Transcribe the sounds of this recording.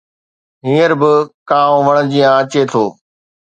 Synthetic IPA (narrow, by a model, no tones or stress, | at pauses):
ɦĩːəɾbɪkaːõːʋəɽ̃d͡ʑijãət͡ɕet̪ʰoː